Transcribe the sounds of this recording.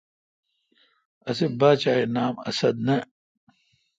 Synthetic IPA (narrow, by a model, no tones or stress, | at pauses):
ɐsibaːt͡ɕaːinaːmɐ̰sɐd̪̚nɐ